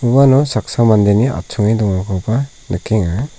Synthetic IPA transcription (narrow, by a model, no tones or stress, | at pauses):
ubanɔsak̚samand̪eniʔa̰p̚t͡ʃʰuŋidɔŋakʰɔba | nɯkʰeŋa